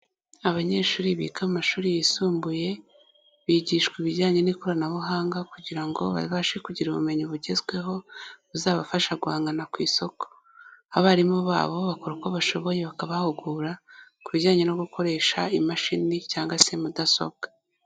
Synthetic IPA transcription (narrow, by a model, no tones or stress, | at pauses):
aβaɲe̞ːʃuːɾiβḭːkamumaʃuːɾijisuːmbuje̞ | βiɟiʃkwiβiɟaːɲe̞nikoɾanaβuɦaːŋɡakuɟiɾaŋɡo̞̰βa̰ɾiβaʃekuɟiɾuβume̞ɲiβuɟe̞zɡwe̞ɦo̞βuzaːβafaʃaɡwaːŋɡanakwiːso̞ko̥ | haβaɾimuβa̰ːβo̞βakoɾukoβaʃo̞βo̞je̞βakaβahuɡuːɾakuβiɟaːɲe̞no̞ɡuko̞ɾe̞ːʃaimaʃinicaːŋɡwase̞mudaso̞̰b̚ɡ̥ḁ